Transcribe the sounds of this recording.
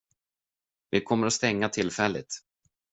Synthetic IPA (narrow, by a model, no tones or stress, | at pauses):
vɪkʰɔmːəɾɔst̪ɛŋːat̪ʰɪlːfɛlːɪ̰t̪